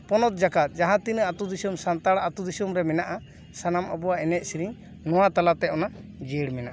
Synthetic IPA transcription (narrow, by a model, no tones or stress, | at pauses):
pɔnɔt̪̚d͡ʒakat̪̚ˀd͡ʒaɦãt̪inəat̪ud̪isumsant̪aɽat̪ud̪isumɾɛmɛnaʔa | sanamɔbɔwaɛnɛt̪̚siɾiŋ | nɔ̃wat̪alat̪ɛɔnad͡ʒɛɽmɛnaʔa